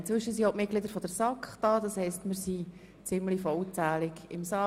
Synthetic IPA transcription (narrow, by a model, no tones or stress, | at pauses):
ɪnt͡svʏʃəsiomɪt̚ɡlɪd̪əɾfɔd̥əɾsɑkχd̥ɑːd̥ɑshɛɪstmɪɾsi | t͡sɪmlifɔlt͡sæːlɪɡɪmsɑ